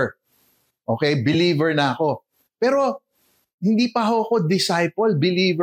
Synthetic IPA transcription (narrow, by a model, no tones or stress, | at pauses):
ʔo̞ːkɛjbɪliːvɛɹnɐɐko̞ | pɛːɾo̞ | hɪnd̪iːpɐɦoɐko̞d̪ɪsajpɐlbɪliːvɛ